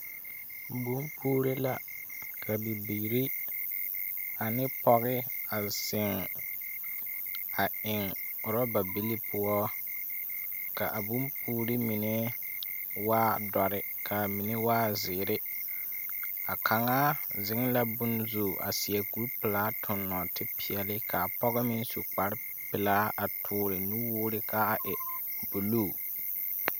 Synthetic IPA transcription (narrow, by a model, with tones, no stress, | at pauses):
bu˦mpuː˦ɾe˦la˦kʰa˨bi˨bi˨ɾi˦ | a˨nɪ˦pɔ˦ɣɪ˦a˨sɪ˨ŋ | a˨ɪ˨ŋʊ˨ɾɔ˦ba˨bi˦li˦pʰʊ˦ɔ˦ | ka̰˨ʔa˨bu˦mpuː˦ɾɪ˦mi˨ne˦ | waː˦dɔ˨ɾɪ˨kʰa˨mi˨ne˦waː˦zɪː˨ɾɪ˦ | a˨kʰa˨ŋaː˦zɪ˦ŋ˦la˦bʊ˦n˦zoː˨ʔa̰˨sɪ˨ɛ˨ku˦ɾpɪ˨laː˦tʰʊ˨nːɔ˨tɪ˦pʰɪ˨ɛ˨lɪ˦kʰa˨pɔ˦ɣɛ˦mɪ˦n˦so˨k͡pa˨ɾpɪ˨laː˦ʔa˨tʰʊː˨˦ɾɪ˨nu˦wʊː˦ɾɪ˦kʰa˦a˨ʔɪ˨bo˨loː˦˨